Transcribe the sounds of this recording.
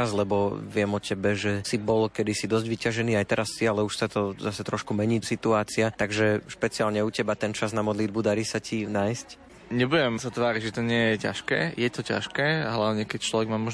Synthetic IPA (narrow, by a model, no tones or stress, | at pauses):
azlɛbɔʋɪɛmɔcʰɛbɛʒɛsibɔlkɛd̪isid̪ɔzɟʋicaʒɛniːajt̪ɛɾasːialɛuʃsat̪ɔzasɛt̪ɾɔʃkumɛɲiːsit̪uaːt͡siat̪aɡʒɛʃpɛt͡siaːlɲɛucɛbat̪ɛnt͡ʃaznamɔd̪lid̪bud̪aɾisacinaːjsc | ɲɛbujɛmsat̪ʋaːɾiɟʒɛt̪ɔɲɪɛjɛca̰ʃkɛ̰ːjɛt̪ɔca̰ʃkɛːɦlaʋɲɛkɛct͡ʃlɔʋɛɡmaːmɔʒ